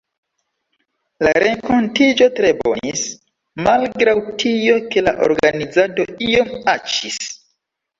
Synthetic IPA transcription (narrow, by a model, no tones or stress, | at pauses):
laɾe̞ŋko̞ntid͡ʒo̞tɾe̞bo̞̰nis | malɡɾawtʰijo̞ke̞la̰ʔo̞̰ɾɡanid͡zato̞io̞mat͡ʃis